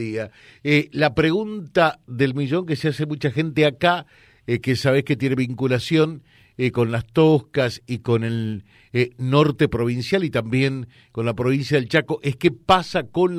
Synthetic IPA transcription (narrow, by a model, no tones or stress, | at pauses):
ia | elapɾeɣunt̪aðe̞lmiʒo̞ŋkeseasemut͡ʃaxe̞nt̪eaka | kesaβehket̪je̞neβiŋkulasjo̞ŋ | ko̞nlast̪ohkasiko̞ne̞l | no̞ɾt̪e̞pɾo̞β̞insjalit̪ambje̞ŋ | ko̞nlapɾo̞β̞insjað̞elt͡ʃako̞ʔeskepasako̞n